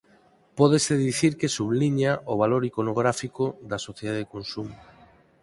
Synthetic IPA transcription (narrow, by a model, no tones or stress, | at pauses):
pɔðeseðiθiɾkesuβliɲaʔoβ̞aloɾikonoɣ̞ɾafikoðɐsoθjeaðekonsum